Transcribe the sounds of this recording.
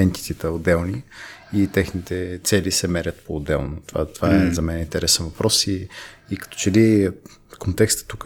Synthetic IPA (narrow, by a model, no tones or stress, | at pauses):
ɛnt̪i̥t̪it̪əod̪ːɛlˠniit̪ɛxnit̪ɛt̪sɛlisɛmɛɾʲət̪poːd̪ːɛ̰lˠnot̪ova̰t̪ovaɛzɐmɛnɛint̪ɛɾɛsɛnvɐpɾɔsiːkɐ̥t̪ɔ̥t͡ʃɛli | kont̪ɛkst̪ə̥t̪ːuk